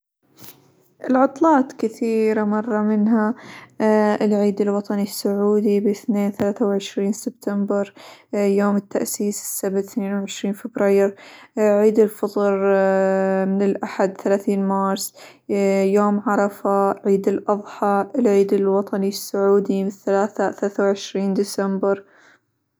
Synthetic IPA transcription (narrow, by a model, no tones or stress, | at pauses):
ʔɪlʕʊt̪ˤlɑːt̪kɪθiːɾamɑrˤːɑmɪnɦa | ɪlʕiːd̪ɪlwɑt̪ˤɑnisːʊʕuːd̪ibɪθneːnθalaːθawʕɪʃɾiːnsɪb̥̚t̪ʰambɪɾjoːmɪt̪ːaʔsiːsɪ̥sːabθneːnwʕɪʃɾiːnfɪbɾɑjɾʕiːd̪ɪlfɑt̪ˤɾ | mɪnɪlʔaħad̪θalaːθiːnmɑːɾˤsˤ | joːmʕɑɾˤɑfaʕiːd̪ɪlʔɑðˤħɑʔɪlʕiːd̪ɪlwɑt̪ˤɑnisːʊʕuːd̪imɪθalaːθaθaaaːθawʕɪʃɾiːnd̪ɪsambɪɾ